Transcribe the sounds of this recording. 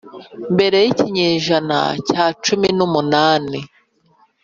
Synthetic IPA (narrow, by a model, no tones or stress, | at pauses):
mbe̞ɾe̞jiciɲeːʒana̰caːt͡ʃuminumunaːni